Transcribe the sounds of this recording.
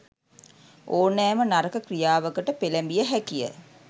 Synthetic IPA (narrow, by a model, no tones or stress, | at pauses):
ʔoːnːæːmənaɾəkəkrijaːʋəkəʈəpelæmbijəɦækijə̰